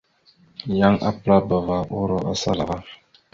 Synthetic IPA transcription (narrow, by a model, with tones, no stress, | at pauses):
ja˦ŋʔa̰˦pɨ˦ɾa˦ba˨va˦ʔʊ˦ɾɔ˦a˦sa̰˦la˨ɣa˦